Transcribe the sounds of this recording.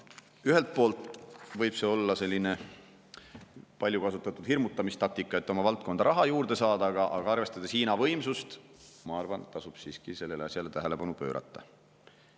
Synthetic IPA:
yɦe̞lt̪̚po̞ːlt̪ˑvɤjb̥se̞ːo̞lːɑse̞lʲːine̞ | pɑlʲjukɑsut̪ːˑɑt̪ːˑud̪̥hirmut̪ːˑɑmist̪ɑk̚t̪ikːˑɑe̞t̪ːo̞mɑvɑlt̪̚ˑko̞nd̪̥ɑɾʔɑɦɑjuːɾd̪̥e̞sɑːd̪ɑɡ̥ɑʔɑɡ̥ɑɑrve̞st̪ɑd̪esiːnɑvɤjmsust̪mɑɑrvɑnet̪t̪ːɑsub̥siːskise̞lːe̞leɑsʲjɑle̞t̪æɦele̞pɑnupø̞ːɾʔɑ̰t̪ˑːɑ̰

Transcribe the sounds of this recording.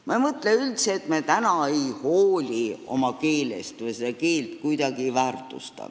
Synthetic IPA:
mɑejmɤt̪leylt̪seːt̪met̪ænɑe̞jhoːlʲio̞̰mɑke̞ːle̞̰st̪vɤjsed̪̥ɑke̞ːlt̪kujd̪̥ɑɡivæːrt̪ˑust̪ɑ̰

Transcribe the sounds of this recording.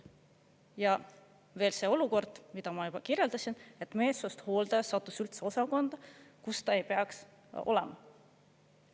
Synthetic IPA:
jɑ | ve̞ːlse̞ːo̞luko̞rd̪̥mid̪̥ɑmɑjubɑkirje̞ld̪ɑsine̞t̪ːme̞ːt̪sost̪ho̞ːld̪̥ɑsɑt̪ːˑusylt̪seo̞sɑko̞nd̪̥ɑkust̪ɑe̞jpe̞ɑks | o̞̰lɛ̰mɑ

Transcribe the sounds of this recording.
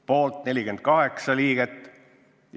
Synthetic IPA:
po̞ːlt̪ne̞lʲikend̪̥̚kɑɦe̞ksɑliːɡ̥et̪ːˑ | j

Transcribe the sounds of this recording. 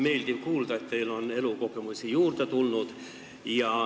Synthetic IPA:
meild̪iʋkuːld̪̥ɑet̪t̪ːeilonelukokemusʲijuːrt̪ɑt̪ulnud̪ | jɑ

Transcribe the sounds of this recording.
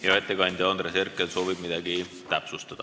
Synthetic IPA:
jɑet̪ːˑekɑnʲd̪̥ʲond̪ɾese̞rkːˑeso̞ːvib̥mid̪̥ɑɡ̥i | t̪æpsust̪ɑd̪̥ɑ

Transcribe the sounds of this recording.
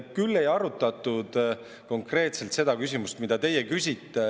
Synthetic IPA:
kylːe̞jɑɾut̪ːˑɑt̪ːˑud̪̥ | ko̞ŋkre̞ːt̪se̞lt̪se̞d̪̥ɑkysʲimust̪mid̪ɑt̪e̞jekysʲit̪ˑːe

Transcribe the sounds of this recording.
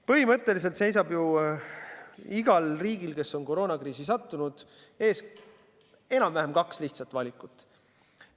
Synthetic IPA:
pɤɦimɤ̞t̪ːˑe̞lis̬elt̪se̞js̬ɑbju | iɡ̥ɑlriːɡ̥ilke̞sːo̞nko̞ɾo̞ːnɑkriːsisɑt̪ːunud̪̥ | e̞ːs | e̞nɑmvæɦemkɑksliht̪sɑt̪vɑlʲikːˑut̪ːˑ

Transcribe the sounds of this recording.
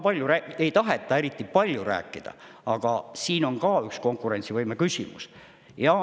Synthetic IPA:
pɑlʲjuɾæe̞jt̪ɑɦe̞t̪ːˑɑe̞ɾit̪ːˑipɑlʲjuɾæ̰ːkːˑid̪̥ɑ̰ | ɑɡ̥ɑsiːno̞ŋkɑːyksko̞ŋkːˑuɾe̞nt̪sivɤjmekysʲḭmṵs | jɑ

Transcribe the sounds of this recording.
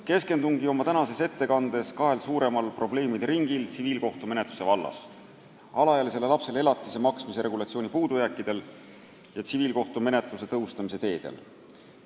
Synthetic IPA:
ke̞ske̞nd̪uŋɡio̞mɑt̪ænɑse̞se̞t̪ːe̞kɑnd̪̥e̞skɑɦe̞lsuːɾe̞mɑlpro̞ble̞ːmid̪riŋɡ̥ilt̪siviːlko̞ht̪umenet̪lu̥se̞vɑlːɑ̰st̪ | ɑlɑjɑlise̞le̞lɑpse̞le̞lɑt̪ˑːise̞mɑksmise̞ɾʔe̞ɡulɑt̪sio̞ːnʲipuːd̪̥ujækːˑid̪̥e̞l | jɑt̪siviːlko̞ht̪ume̞ne̞t̪ˑluse̞t̪ɤɦust̪ɑmise̞t̪e̞ːd̪̥e̞̰l

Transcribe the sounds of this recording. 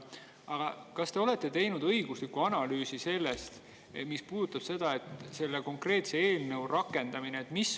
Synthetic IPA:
ɑɡ̥ɑkɑst̪e̞o̞le̞t̪ːˑe̞t̪e̞jnud̪̥ɤjɡ̥uslikːuɑnɑlyːsise̞lːe̞st̪ | mispuːd̥̪ut̪ːˑɑb̥se̞d̪ɑe̞t̪se̞lːeko̞ŋkre̞ːt̪see̞ːlnɤwrʔɑkːˑe̞nd̪̥ɑmineet̪ˑmis

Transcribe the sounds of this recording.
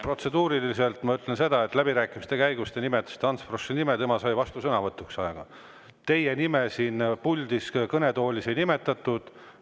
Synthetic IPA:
pro̞t̪se̞d̪uːɾilise̞lt̪mɑyt̪ːˑlense̞d̪̥ɑe̞t̪ːˑlæbiɾæːkˑimist̪e̞kæjɡust̪e̞nimet̪ːˑe̥st̪ɑnsfrosːinimet̪e̞mɑsɑjvɑst̪usɤnɑvɤt̪ːˑuksɑeɡ̥ɑ | t̪e̞je̞nimesiːnpulʲd̪̥iskɤne̞t̪o̞ːlʲisenime̞t̪ːˑɑt̪ːˑud̪̥

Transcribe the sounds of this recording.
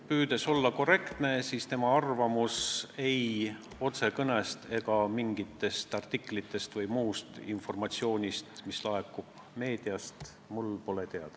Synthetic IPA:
pyːd̪e̞so̞lːɑko̞re̞kt̪ne̞siːst̪e̞mɑɑrvɑmuse̞j | o̞t̪se̞kɤnest̪e̞ɡ̥ɑmiŋɡit̪ːˑe̞st̪ɑrt̪ikːˑlit̪ːˑe̞st̪vɤjmuːst̪info̞rmɑt̪sio̞ːnʲist̪mislɑe̞kːˑub̥ | me̞ːd̪̥iɑst̪ | mulpo̞let̪eɑd̪̥ɑ

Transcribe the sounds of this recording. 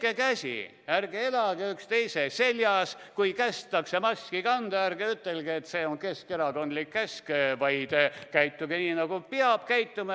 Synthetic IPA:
kekæsʲḭ | ærɡ̥ee̞lɑɡ̥eykst̪e̞jsese̞ljɑskujkæst̪ːˑɑksemɑsʲkikɑnd̪̥ɑærɡ̥eyt̪ːe̞lɡ̥iet̪se̞ːoŋke̞ske̞ɾɑko̞nd̪likːæskevɑjd̪̥ekæjt̪ːˑuɡeniːnɑɡupiɑb̥kæjt̪ˑːumɑ

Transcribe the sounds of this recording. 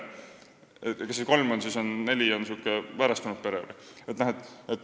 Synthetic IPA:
ekɑseko̞lmo̞nsiso̞nːe̞lʲionsiuːkːˑevæɾɑst̪unut̪̚pe̞ɾeɾḭet̪ːnæɦet̪ːˑet̪ːˑ

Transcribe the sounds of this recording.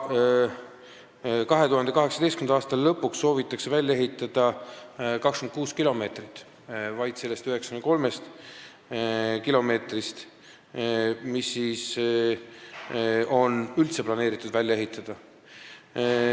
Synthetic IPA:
kɑɦe̞t̪uɦɑnd̪e̞kɑɦe̞ksɑd̪e̞jst̪kymnɑɑːst̪ɑllːɤpːuksːo̞ːvit̪ːˑɑksevælʲːɑe̞ɦit̪ːˑɑd̪̥ɑ | kɑkskymnd̪kuːskilo̞me̞ːt̪rit̪ːˑ | vɑjd̪̥se̞lːe̞st̪yɦe̞ksɑ̥kyneko̞lme̞st̪ | kilo̞me̞ːt̪rist̪ | misːiːs | o̞nylt̪se̞plɑne̞ːɾit̪ːˑud̪vælʲjɑe̞ɦit̪ːˑɑd̪̥ɑ

